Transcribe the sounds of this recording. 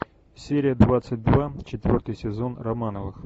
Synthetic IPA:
sʲeɾʲɪjəd̪vat̪sɨt̚ʲd̪vat͡ɕɪt̪vʲo̞rt̪ɨjsʲɪzo̞nrɐmanəvɨx

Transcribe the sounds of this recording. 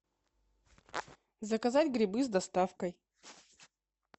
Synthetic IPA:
zəkɐzadʲɡɾʲɪbɨzd̪ɐst̪afkəj

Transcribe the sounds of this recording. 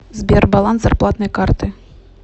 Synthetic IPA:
zʲbʲɛrbalˠanzarplˠat̪nɐjkart̪ɨ

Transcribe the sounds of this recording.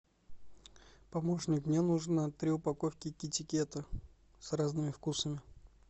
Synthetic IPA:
pɐmo̞ʂnʲɪknʲenuʐnət̪ɾʲɪʊpɐkofkʲɪkʲɪtʲɪkʲet̪ə | sraznɨmʲɪfkusəmʲɪ

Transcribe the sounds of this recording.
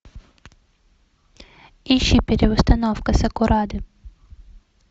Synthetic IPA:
iʃipʲiɾʲɪʋʊst̪ɐnɔwkɐsɐkʊɾɑd̪ɪ

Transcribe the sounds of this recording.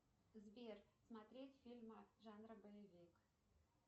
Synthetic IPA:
zbʲersmat̪ɾʲetʲfʲilʲməʐɑnrəbəjevʲik

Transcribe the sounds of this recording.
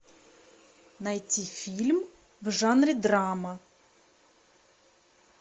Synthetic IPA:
nɐjtʲifʲilʲm | wʒɑnɾʲɪd̪ɾɑmɐ

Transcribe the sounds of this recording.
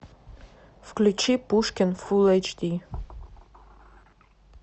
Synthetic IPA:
fklʲut͡ʃipuʂkʲɪnfulˠɐt͡ʃd̪ʲi

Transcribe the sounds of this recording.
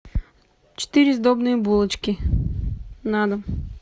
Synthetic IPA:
t͡ʃɛ̥t̪iɾizd̪ɔbniːbulˠət͡ʃkʲi | nad̪əm

